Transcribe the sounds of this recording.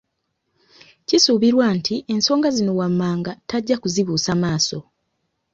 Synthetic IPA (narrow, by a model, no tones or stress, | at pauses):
cisuːβiɾwaːntʰiʔe̞nso̞ːŋɡazino̞wamːaːŋɡataɟːakuziβuːsamaːso̞